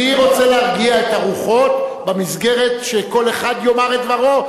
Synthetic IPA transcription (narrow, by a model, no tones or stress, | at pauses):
iʁo̞t͡seleaʁɡiaetaʁuχo̞t̪bemisɡe̞ʁe̞tʃeko̞leχad̪jo̞maʁed̪vaʁo̞